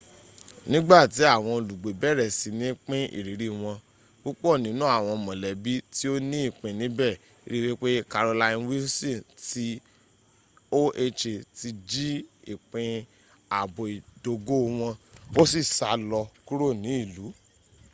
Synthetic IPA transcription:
nĩ˦ɡ͡ba˦˨ti˨˦a˦˨w̃ɔ̃˧˨lu˨ɡ͡be˨bɛ˦˨ɾɛ˨si˨˧nĩ˨˦k͡pĩ˦ḭ˦˨ɾi˨˦ɾi˦w̃ɔ̃˧ | ɡ͡bo˦k͡po˦o˦˨nĩ˨˦nũ˦a˦˨w̃ɔ̃˧mɔ̃˨lɛ˨bi˦ti˦o˦nĩ˦i˦˨k͡pĩ˨nĩ˨˦bɛ˦˨˦ | ɾi˦ɾi˦k͡pe˦ka˧ɾo˧la˧ĩ˧˦wi˦sĩ˦˨ti˨˦ | o˦ʔe˧t͡ʃe˧ti˧d͡ʒi˦i˨k͡pĩ˧ | a˨bo˨i˨do˧ɡo˦w̃ɔ̃˧o˦si˦˨sa˨lɔ˧ku˦ɾo˦˨nĩ˨˦i˦˨lu˨˦

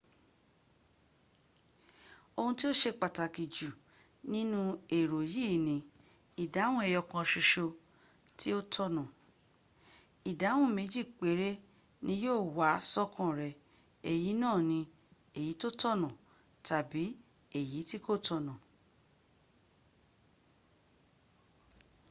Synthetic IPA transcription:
o˧hũ˧ti˦o˦ʃe˧k͡pa˨ta˨ki˨d͡ʒu˨ | nĩ˦nũ˦e˨ɾo˨jiː˦˨nĩ˨˦ | i˨da˨˦w̃ɔ̃˦ɛ˦˧jɔ˧kã˧ʃe˧ʃo˧ | ti˦o˦tʰɔ˧nã˨ | i˨da˨˦w̃ɔ̃˦˨me˨˧˦d͡ʒi˦˨k͡pe˨˦ɾe˦ | nĩ˧˦joː˦˨wa˨˦sɔ˦kʰã˦ɾɛ˧ | e˨ji˨˦nãː˦˨nĩ˧ | e˨ji˨˦to˦tɔ˦˨nã˨ | ta˨bi˨˦ | e˦˨ji˨˦ti˦ko˦˨tɔ˧nã˨

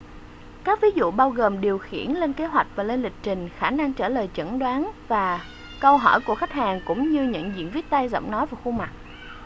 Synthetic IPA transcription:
kaː˦˥k̚vi˨˦zṵ˧˨ɓaː˧wɣoː˨˩mɗi˨˩əwxḭ˧˩ənle˧nke˨˦ɦwa˨˩jk̟̚vaː˨˩le˧nlï˨˩k̚t͡ɕï˨˩ŋ̟xaː˧˩na˧ŋt͡ɕəː˧˩ləː˨˩jt͡ɕə̰˧˩nɗwaː˨˦nvaː˨˩ | kə˧wɦɔ˧˩jku˧˩əxa˦˥k̟̚haː˨˩ŋkʊ̰˧˥ŋ͡mɲɨ˧ɲɨ̰˧˥ŋzḭ˧˨ənvi˦˥ət̚t̪a˧jzə̰˧˩˨wŋ͡mnɔ˨˦jvaː˨˩xu˧ma˨˩k̚

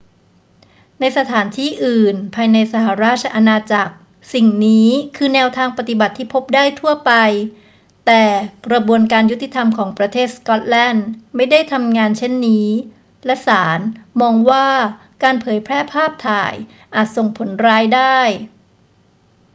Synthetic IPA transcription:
na˧jsa˧t̪ʰaː˩˦nt̪ʰiː˥˩ʔɯː˨˩npʰaː˧jna˧jsa˧˩ɦa˨˩ɾaː˥˩t̪̚t͡ɕʰa˧ʔa˧naː˧t͡ɕa˨˩k̚ | si˨˩ŋniː˦˥kʰɯː˧nɛː˧wt̪ʰaː˧ŋpa˨˩t̪i˨˩ba˨˩t̪ʰːiː˥˩pʰo˦˥p̚daː˥˩jt̪ʰu˥˩əpa˧j | t̪ɛː˨˩kɾa˧bu˧ənkaː˧nju˦˥t̪ːi˨˩t̪ʰa˧mkʰɔː˩˦ŋpɾa˧t̪ʰeː˥˩t̪̚skɔ˦˥t̪̚lɛː˥˩nma˥˩jda˥˩jt̪ʰa˧mŋaː˧nt͡ɕʰe˥˩nːiː˦˥ | lɛ˦˥ʔsaː˩˦nmɔː˧ŋwaː˥˩ | kaː˧npʰɤː˩˦jpʰɾɛː˥˩pʰaː˥˩p̚t̪ʰaː˨˩j | ʔaː˨˩t̪̚so˨˩ŋpʰo˩˦nɾaː˧jdaː˥˩j

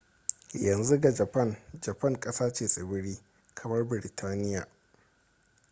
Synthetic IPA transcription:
jɐ˨nzu˦ɡa˨d͡ʒɐ˨pɐ˦˨nd͡ʒɐ˨pɐ˦˨ŋkʼɐ˦saː˦t͡ʃeː˨sʼɪ˨bɪ˦ɽiː˦ | kʰɐ˨mɐ˦rbɪ˨ɾɪ˨tʰaː˦nɪ˦jaː˨

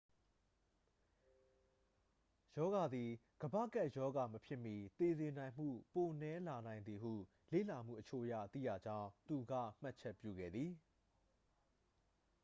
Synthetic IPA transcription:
jɔ˦ɡa˨d̪i˨ | ɡ̥əbä̰˦˨ka˦˨ʔjɔ˦ɡa˨məpʰjɪ˦mji˨t̪e˨zɪ̃˨nã˨ɪ̃m̥ṵ˦˨po˨nɛ˦la˨nã˨ɪ̃nd̪i˨ɦṵ˦˨ | lḛ˦˨la˨m̥ṵ˦˨ʔət͡ɕʰo̰˦˨ʔjä̰˦˨t̪ḭ˦˨ja̰˦˨d͡ʑã˦ʊ̃t̪u˨ɡa̰˦˨m̥a˦ʔt͡ɕʰɛ˦˨pjṵ˦˨ɡɛ̰˦˨d̪ði˨

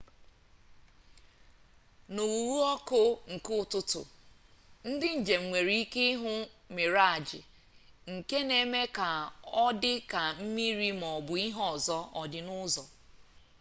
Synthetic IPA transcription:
nu˨wwu˦ɔ˦kʊ˦ŋ̩˨kʊ˦˨tʊ˦tʊ̰˨ | n̩˦dɪ˦n̩˨d͡ʒe˨m̩˨ŋʷe˨ɾi˦i˦ke˦ɦʊ˦me˨ɾa˦˨d͡ʒɪ̰˨ | ŋ̩˨ke˦ne˨me˦ka˨ɔ˦dɪ˦ka˨m̩˦mi˦ɾi˦m˨ɔ˨bʊ˨i˦ɦɔ˦˨zɔ˦ʔɔ˨dɪ˦nʊ˦zɔ˨

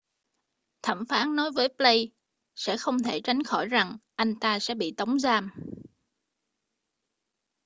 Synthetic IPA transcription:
t̪ʰə˧˩mfaː˨˦nnɔ˨˦jvəː˨˦jplə˧j | sɛ̰˧˥xə˧wŋ͡mt̪ʰe˧˩t͡ɕa˨˦jŋ̟xɔ˧˩jza˨˩ŋʔa˧jŋ̟t̪aː˧sɛ̰˧˥ɓḭ˧˨t̪ə˨˦wŋ͡mzaː˧m

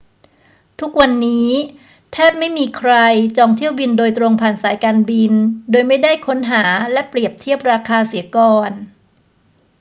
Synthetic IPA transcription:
t̪ʰu˦˥k̚wa˧nːiː˦˥ | t̪ʰɛː˥˩p̚ma˥˩jmiː˧kʰɾa˧jt͡ɕɔː˧ŋt̪ʰi˥˩əwbi˧ndoː˧jt̪ɾo˧ŋpʰaː˨˩nsaː˩˦jkaː˧nbi˧ndoː˧jma˥˩jdaː˥˩jkʰo˦˥nɦaː˩˦lɛ˦˥pɾi˨˩əp̚t̪ʰi˥˩əp̚ɾaː˧kʰaː˧si˩˦kɔː˧n

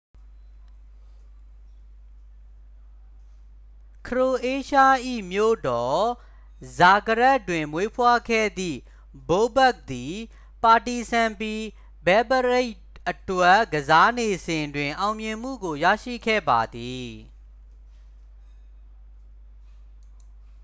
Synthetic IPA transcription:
kʰəɹo˨ʔe˦ʃa˦ʔḭ˦˨mjo̰˦˨dɔ˨ | za˨kə˨ɹɛ˦tːwɪ̃˨mmwe˦pʰwa˦ɡʰɛ̰˦˨d̪ðḭ˦˨ | bo˦bɛ˦˨k̚d̪i˨ | pa˨ti˨sʰã˨mpi˦ | bɛ˦bəɹe˦ɪ | ʔətwɛ˦ʔɡəza˦ne˨zɪ̃˨ndwɪ̃˨ʔã˨ʊ̃mjɪ̃˨m̥ṵ˦˨ɡo˨ja̰˦˨ʃḭ˦˨kʰɛ̰˦˨ba˨d̪i˨

